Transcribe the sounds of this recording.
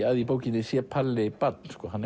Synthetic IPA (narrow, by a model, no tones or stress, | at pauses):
aðipoːwcɪnːɪsjɛpʰalːɪpat̪̚nskɔːɦanːɛ